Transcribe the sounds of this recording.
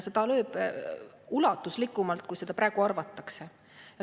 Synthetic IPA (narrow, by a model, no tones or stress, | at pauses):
sed̪̥ɑløːb̥ | ulɑt̪ːˑuslikˑːumɑlt̪̚kujse̞d̪̥ɑpɾæːeɡ̥uɑrvɑt̪ːˑɑkse̞ | jɑ